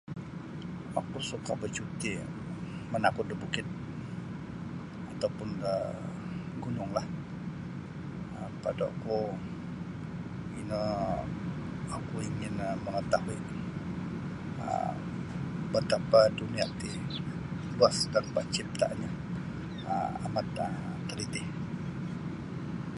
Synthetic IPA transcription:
akusukabət͡ʃut̪i | mənakʊt̪̚dəbukɪt̪̚ | at̪awpʊnə | ɡunʊŋlah | əpadaa̰ku | ḭnə | akuiŋɪnəməŋət̪aɦui | ə̰ | bət̪apaduniat̪i | luaskanpat͡ʃɪp̚t̪a̰ʔɲa | ə̰a̰mat̪əmt̪ːəlit̪ɪh

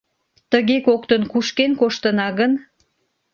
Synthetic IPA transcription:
t̪əɣekokt̪ənkuʃkenkoʃt̪ənɑɣən

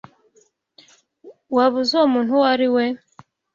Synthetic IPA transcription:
waβuzomuːnhuwaɾiwe

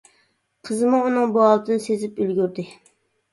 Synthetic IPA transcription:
qʰəzɨmuunɨŋbuɑlˠɨd̪ɨnɨsezɪpylɡʲyɾd̪ɪ

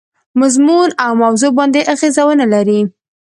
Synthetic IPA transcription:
mazmunawmawzobɑnd̪eʔaɣezawənalaɾi

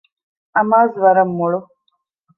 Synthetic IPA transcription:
ɐmaːzʋɐɾɐmːuɭu

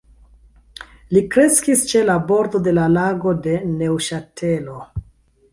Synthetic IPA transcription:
likɾe̞skist͡ʃe̞labo̞ɾdo̞de̞lalaɡo̞de̞ne̞wʃatʰe̞lo̞

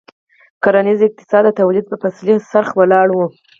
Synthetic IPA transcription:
kaɾanizɪq̚t̪ɪ̥sɑd̪ːət̪awlid̪̚pəpaslisaɾxwalɑɽwu

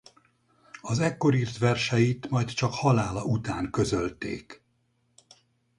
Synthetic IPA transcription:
ɒzɛkːo̞ɾiːrt̪ʋɛrʃɛjit̪mɒjt̪t͡ʃɒkhɒlaːlɒut̪aːŋkø̞zø̞lt̪ḛːk

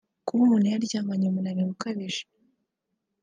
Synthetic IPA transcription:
kuumunajaɾɟaːŋɡaɲomunanemukaβeʒi̥

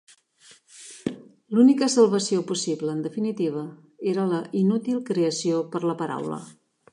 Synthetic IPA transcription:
lunikəsəlˠβ̞əsiopusiβləːnd̪əfinit̪iβ̞ə | eɾələʔinut̪ilˠkɾeəsiopəɾləpəɾa̰wlə̰

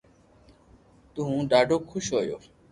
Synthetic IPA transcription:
t̪ʊɦũːɖaːɖʱoːkʰʊʃɦoːjo̰ː

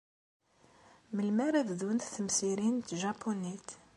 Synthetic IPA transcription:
məlmaɾævðunθθəmsiɾint̪ʒɑpʰunit̪

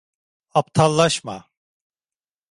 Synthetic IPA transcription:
apt̪ʰalˠːaʃma̰

